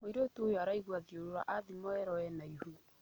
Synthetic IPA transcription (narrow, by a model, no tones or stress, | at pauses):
moiɾotuojɔaɾaiɣwaðioɾoɾa̰ʔaðimɔɛɾɔɛnaihu